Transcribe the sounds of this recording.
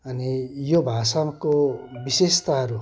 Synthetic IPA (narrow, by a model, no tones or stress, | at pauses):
ʌnijobʱasʌmkobisest̪aɦʌɾu